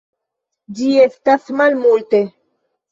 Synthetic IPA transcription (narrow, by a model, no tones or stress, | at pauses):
d͡ʒiest̪asmalmulte